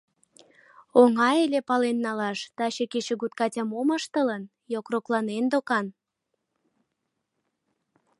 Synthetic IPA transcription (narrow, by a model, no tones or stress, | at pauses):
oŋɑelepɑlenːɑlɑʃt̪ɑɕekeʃə̆ɣut̪̚kɑtʲəmoməʃt̪ələn | jokroklɑnend̪okɑn